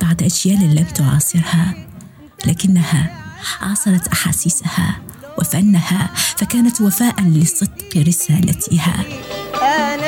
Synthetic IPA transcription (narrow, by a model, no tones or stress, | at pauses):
b̥aʕd̪ʔaʃjaːʔlamt̪ʊʕɑ̰ːsˤɨɾha | laːkɪnːahaʕɑ̰ːsˤɑɾˤɑt̪ʔaħa̰ːsiːsaha̰ | wafanːahafakaːnat̪wafaːʔanlɪsˤɨd̪qɾɪsaːlat̪ʰɪha̰ː